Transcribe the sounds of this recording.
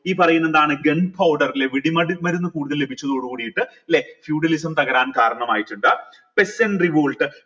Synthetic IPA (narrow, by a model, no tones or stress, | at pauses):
iːpːɐrɐjunːend̪aːɳɨɡeɳpʰɐwɖɐrileʋiɽimɐmɐɾunːɨkuːɽuðɐllebʱit͡ɕːɐðoːɽukuːɽijiʈːɨɐlːefjuːɖɐlisɐmt̪ɐɣɐɾaːnkaːɾɐɳɐmaːjitːuɳɖɨ | pe̞seɳɖriʋoːɭʈɨ